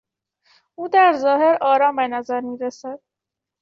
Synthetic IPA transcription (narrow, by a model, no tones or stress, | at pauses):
uːd̪æɾzɒːhe̞ɾɒːɾɒːmbenæzæɾmiːɾæsæd̪̥